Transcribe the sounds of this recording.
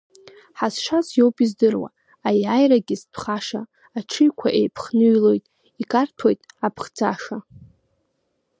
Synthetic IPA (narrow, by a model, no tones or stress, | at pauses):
ħazʂazjo̞wpʼizdɨrwa̰ | ajajɾaɡʲɪzpʰχaʂaː | ʈ͡ʂʰɨjkʷʰaʔejpʰχnɨlo̞jtʼ | ikʼartʰojtʼapʰχd͡zaʂa